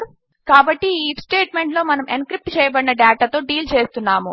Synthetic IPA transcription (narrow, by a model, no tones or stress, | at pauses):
kaːbɐʈːiiːpsʈeːʈme̞ɳʈlo̞ːmɐnɐmenkɾip̚ʈt͡ʃɛːjɐbɐɽinɐɖaːʈat̪o̞ːɖiːlt͡ʃeːst̪unːaːmu